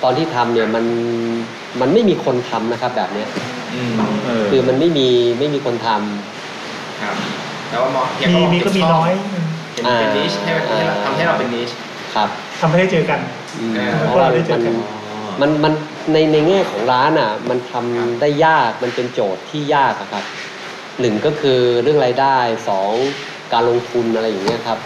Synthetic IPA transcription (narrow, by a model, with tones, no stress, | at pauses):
t̪ɔː˧nt̪ʰiː˥˩t̪ʰa˧mni˥˩ɐma˧n | ma˧nma˥˩jmiː˧kʰo˧nt̪ʰa˧mna˦˥kʰa˦˥p̚bɛ̰ː˨˩p̚ni˦˥ɐ˧ | kʰɯː˧ma˧nma˥˩jmiː˧ma˥˩jmiː˧kʰo˧nt̪ʰa˧mʰ | a˦ | t̪ɛː˨˩waː˥˩mɔ˦˥i˨˩˧mi˧kɔ˥˩miː˧nɔː˦˥j | e˨aː˧˩˧i˦˥˩ʔaː˧˩a˧a˧mɦa˥˩jɾa˧wpe˧nːi˦˥t͡ɕ | kʰa˦˥p̚ | t̪ʰa˧mɦa˥˩da˥˩t͡ɕɤː˧ka˧n | ʔɯː˧˩˧ɔ˦˥wa˥˧˥a˥˩ma˧˩n˧ | ma˧nma˧n | na˧jna˧jŋaː˥˩kʰɔː˩˦ŋɾaː˦˥nʔa˨˩ma˧nt̪ʰa˧mdaː˥˩jːaː˥˩k̚ma˧npe˧nt͡ɕoː˨˩t̪ʰːiː˥˩jaː˥˩k̚a˨˩kʰa˦˥p̚ | nɯ˨˩ŋkɔː˥˩kʰɯː˧ɾɯ˥˩əŋɾaː˧jdaː˥˩jsɔː˩˦ŋ | kaː˧nlo˧ŋt̪ʰu˧nʔa˧ɾa˧jːa˨˩ŋːni˦˥ɐkʰa˦˥p̚